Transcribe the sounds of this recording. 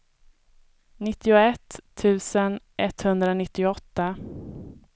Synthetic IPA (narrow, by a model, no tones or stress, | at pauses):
nɪt̪ːɪʊɛt̪ʰːʉ̟ːsənʔɛt̪ːhɵnd̪ɾanɪt̪ːɪʊɔt̪ːa